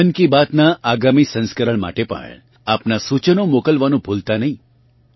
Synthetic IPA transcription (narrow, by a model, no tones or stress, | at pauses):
ənkibat̪naʔaɡamisə̃nskəɾəɭma̰ʈepə̰ḛ̃ | apnasut͡ʃənomokəlʋanũbʱult̪anəɦĩ